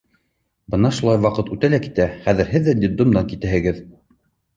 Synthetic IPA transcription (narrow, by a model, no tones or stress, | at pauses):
bɤ̆nɑʃulˠɑjwɑqɤt̪ʉt̪ælæki̥t̪æχæðɘ̆ɾɦɘðːæd̪id̪umd̪ɑŋkit̪ɘɦɘ̆ɡɘð